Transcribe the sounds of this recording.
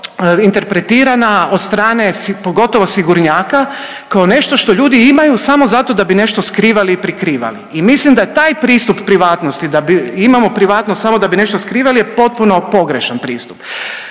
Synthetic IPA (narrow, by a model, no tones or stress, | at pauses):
int̪e̞ɾpɾe̞t̪iːɾanao̞d̪st̪ɾaːne̞spoɡo̞t̪o̞ʋosiɡuɾɲaːka | kaone̞ʃt̪o̞ʃt̪o̞ʎuːd̪iimajusamo̞zat̪o̞d̪abine̞ʃt̪o̞skɾiːʋaliːpɾikɾiːʋa̰lḭimislimd̪ajet̪aːjpɾiːst̪uppːɾiʋaːt̪nost̪id̪abiimamo̞pɾiʋaːt̪nossamo̞d̪abine̞ʃt̪oskɾiːʋalijepo̞t̪̚puno̞po̞ɡɾeʃanpɾiːst̪u̥p